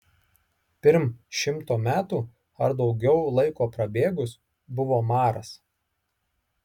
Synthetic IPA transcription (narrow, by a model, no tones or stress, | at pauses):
pʲɪɾmʃʲɪmt̪oːmʲæːt̪uː | ɐɾd̪ɒʊɡʲɛʊlˠɐɪkoːpɾɐbʲeːɡʊs | bʊʋoːmɑːɾɐs